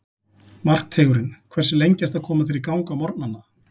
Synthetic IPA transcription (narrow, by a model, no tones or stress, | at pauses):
mar̥k̚t̪ʰeːɣʏɾɪnkʰvɛrsɪlejɲcast̪aðkʰɔːmaθɪɾikawŋkamɔɾt̪̚nanːa